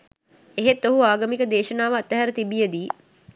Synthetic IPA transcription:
eɦet̪ːoɦuaːɡəmikəd̪eːʃənaːʋəat̪ːəɦæɾət̪ibijəd̪iː

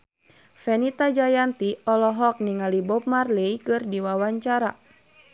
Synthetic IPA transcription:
fɛnit̪ad͡ʒajant̪iɔlɔɦɔk̚niŋalibɔp̚marlejkɨrdiwawaɲt͡ʃaɾa

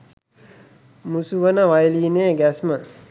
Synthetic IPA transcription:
musuʋənəʋajliːneːɡæsmə

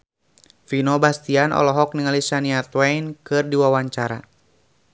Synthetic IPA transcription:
finɔbast̪ianʔɔ̰lɔɦɔk̚niŋalisaniat̪wɛjnkɨrdiwawaɲt͡ʃaɾa̰

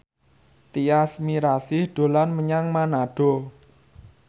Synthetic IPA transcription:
t̪iasmiɾasɪhɖ̪̥o̤lanməɲaŋmanaɖ̥o̤

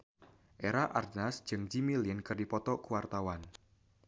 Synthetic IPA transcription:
ʔeɾaʔa̰rdnasd͡ʒ̥ɨŋd͡ʒimiliɪnkərdipɔt̪ɔkuwart̪awan

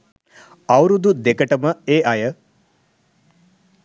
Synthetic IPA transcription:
awɾud̪ud̪ekəʈəməeːʔɐjə

